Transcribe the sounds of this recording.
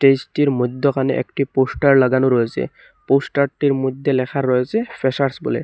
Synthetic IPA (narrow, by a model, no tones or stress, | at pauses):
ʈesʈiɹmod̪ʱːɔkanɛ̰ʔɛ̰kʈiposʈaɹlaɡanuɾojsɛ̰ | posʈaɹʈiɹmod̪ʱːɛlɛkʰaɾojsɛpʰɛsaɹsbṵlɛ̰